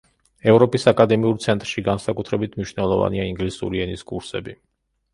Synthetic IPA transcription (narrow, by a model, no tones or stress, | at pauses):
ɛvɾɔpʼisakʼad̪ɛmiuɾt̪sʰɛnt̪ʼɾʃiɡansakʼut̪ʰɾɛbit̪ʰmniʃnɛlˠɔva̰niaiŋɡlisṵɾiɛniskʼuɾsɛbi